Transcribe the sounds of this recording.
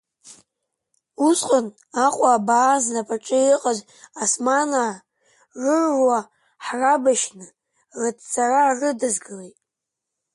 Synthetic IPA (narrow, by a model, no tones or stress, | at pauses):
usqʼən | aqʼaːbaːznapʰʼaʈ͡ʂʼɨiqʼaz | asmana | rɨrːwa | ħrabaʃnɨ | rɨtt͡sʰʼaraːrɨdazɡɨlejtʼ